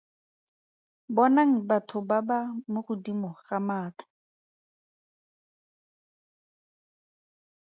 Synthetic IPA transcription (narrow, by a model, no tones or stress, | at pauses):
bɔnaŋ̩batʰʊbabamʊχʊdimɔχamaːtʰḁ